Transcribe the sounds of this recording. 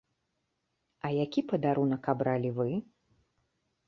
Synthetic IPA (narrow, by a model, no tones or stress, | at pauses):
ɐjakʲipɐd̪aɾunɐkabɾalʲivɨ